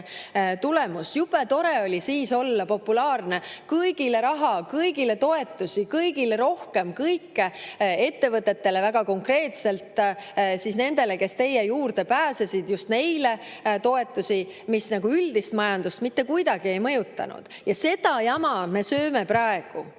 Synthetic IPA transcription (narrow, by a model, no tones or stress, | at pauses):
t̪ule̞musjubet̪o̞ɾe̞o̞lʲisiːso̞lːɑpo̞pːˑulɑːrne̞kɯjɡ̥ile̞ɾɑɦɑkɤjɡile̞t̪o̞e̞t̪ːˑusikɤjɡileɾo̞hke̞mkɤjkːee̞t̪ːe̞vɤt̪ˑːe̞t̪ːe̞le̞væɡ̥ɑko̞ŋkre̞ːt̪se̞lt̪sisne̞nd̪̥e̞leke̞st̪e̞jːejuːrd̪̥e̞pæːsesid̪̥just̪ne̞jle̞ | t̪o̞e̞t̪ːˑusi | misnɑɡ̥uyld̪̥ist̪mɑjɑnd̪̥ust̪mit̪ːe̞kujd̪ɑɡ̥ie̞jmɤjut̪ːˑɑ̰nṵd̪̥jɑse̞d̪̥ɑjɑmɑme̞sø̞ːme̞prɑe̞ɡ̥u